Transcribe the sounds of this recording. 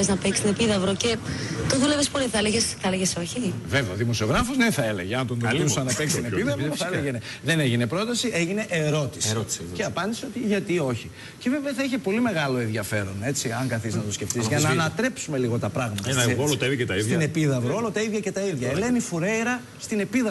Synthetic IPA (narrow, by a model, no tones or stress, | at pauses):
eznɐpekst̪ine̞piðɐvɾocet̪oðulevespoleθɐleʝesθɐleʝesoçiveveɐðimo̞sioɣɾɐfozneθɐe̞le̞ʝeɐnt̪ond̪ɐliusɐnɐpekst̪inepiðɐθɐeeʝene | ðe̞neʝine̞pɾo̞t̪ɐsiʔeʝine̞ʔeɾo̞t̪i̥ssceɐpɐnd̪iseo̞t̪iʝɐt̪io̞çi | ceve̞veɐθɐiçepo̞lime̞ɣɐlo̞enðʝɐfe̞ɾo̞ne̞t͡siɐŋkɐθiznɐt̪osce̞ft̪izʝɐnɐːnɐt̪ɾe̞psume̞liɣo̞t̪ɐpɾɐɣmɐt̪ɐolot̪ɐðiɐcet̪ɐisinepiðɐvɾolot̪ɐiðʝɐcet̪ɐiðʝɐelenifuɾejɾɐ | st̪ine̞piðɐ